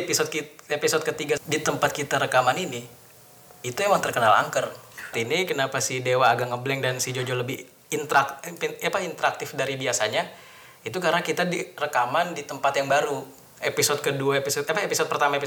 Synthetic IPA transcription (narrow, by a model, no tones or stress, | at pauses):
pisod̪̚kiepisod̚kət̪iɡadit̪əmpat̪̚kit̪aɾəkamanini | it̪uemaŋt̪ərkənala̰ŋkərt̪inikənapasidewaːɡaŋəblɛŋdansid͡ʒod͡ʒoləbɪh | int̪əɾakapaint̪əɾak̚t̪ɪfdaɾibiasaɲa | it̪ukaɾənakit̪adirəkamandit̪əmpat̪jaŋbaɾu | episod̚kəduaepisod̪apaepisɔd̚pərt̪amaepi